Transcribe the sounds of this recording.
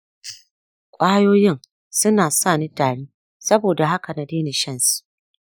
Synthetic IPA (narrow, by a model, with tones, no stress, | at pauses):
kʷʼaː˦joː˦jɪ˦˨ŋ | sʊ˦naː˨saː˦˨ni˦taː˨ɽiː˦ | sɐ˦boː˨da˨ɦa˦ka˨na˨deː˦ni˨ʃɐ˦˨nsu̥˨